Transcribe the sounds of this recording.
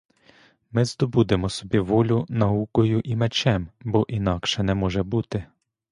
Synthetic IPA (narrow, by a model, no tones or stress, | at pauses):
mɪzd̪ɔbud̪ɪmɔsɔbʲiʋɔlʲʊnɐukɔjʊʔimɛt͡ʃɛmbɔʔin̪ɑkʃɛnɛmɔʒɛbut̪ɪ